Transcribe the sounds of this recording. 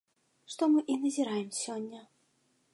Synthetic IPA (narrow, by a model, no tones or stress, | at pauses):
ʂt̪ɔmɨʔinɐzʲiɾajɛmsʲɔnʲːɐ